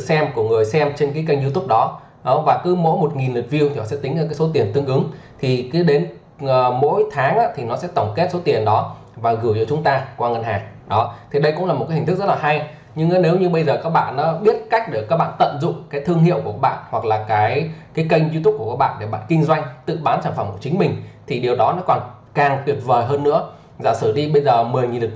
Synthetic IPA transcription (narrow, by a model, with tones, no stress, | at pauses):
sɛ˧mku˧˩əŋɨ˨˩əjsɛ˧mt͡ɕe˧nkaː˨˦jkə˧ŋzi˧t̪ʊ˦˥p̚ɗɔ˨˦ | ɔ˨˦vaː˨˩kɨ˨˦mo̰˧˥jmo˨˩t̚ŋi˨˩nlo˨˩t̚vi˧əwt̪i˨˩nɔ˨˦sɛ̰˧˥t̪ï˨˦ŋ̟a˨˩kaː˨˦so˨˦t̪i˨˩ənt̪ɨ˧əŋʔɨ˨˦ŋt̪ʰi˨˩kɨ˨˦ɗe˨˦n | əː˨˩mo̰˧˥jt̪ʰaː˨˦ŋʔaː˧˥t̪ʰi˨˩nɔ˨˦sɛ̰˧˥t̪ə˧˩wŋ͡mke˦˥t̚so˨˦t̪i˨˩ənɗɔ˨˦ | vaː˨˩ɣɨ˧˩t͡ɕɔ˧t͡ɕʊ˨˦ŋ͡mt̪aː˧kwaː˧ŋə˧˩nhaː˨˩ŋ | ɗɔ˨˦t̪ʰi˨˩ɗə˧jkʊ̰˧˥ŋ͡mlaː˨˩mo˨˩kaː˨˦ï̟˨˩t̪ɨ˦˥k̚zt̚laː˨ɦa˧j | ɲɨ˧ŋʔaː˨˦ne˨˦wɲɨ˧ɓə˧jzəː˨˩kaː˦˥k̚ɓa̰ː˧˨nːɔ˨˦ɓi˦˥ət̚ka˦˥jk̟̚ɗe˧˩kaː˦˥k̚ɓa̰ː˧˨nt̪ə̰˧˨nzʊ̰˧˨ŋ͡mkaː˨˦jt̪ʰɨ˧əŋɦḭ˧˨əwku˧˩əɓa̰ː˧˨nhwa˨˩k̚laː˨˩kaː˨˦jkaː˨˦jkə˧jŋzwi˧u˦˥p̚ku˧˩əkaː˦˥ɓa̰ː˧˨ɗe˧˩ɓa̰ː˧˨nkï˧ŋ̟zwa˧jŋ̟t̪ɨ̰˧˨ɓaː˨˦nsaː˧˩fə˧˩mku˧˩ət͡ɕï˨˦ŋ̟mï˨˩ŋ̟t̪ʰi˨˩ɗi˨˩əwɗɔ˨˦nɔ˨˦˥kɔ˨˩n | kaː˨˩ŋt̪wi˨˩əp̚vəː˨˩jɦəː˧nːɨ̰˧˥ə | zaː˨˩sɨ˧˩ɗi˧ɓə˧jzəː˨˩mɨ˨˩əjŋi˨˩lɨ˨˩